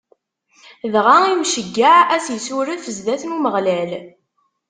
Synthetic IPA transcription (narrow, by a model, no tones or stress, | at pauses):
ðʁaimʃəɡːaʕæsjsuɾəðfəzðæθnuməʁlæl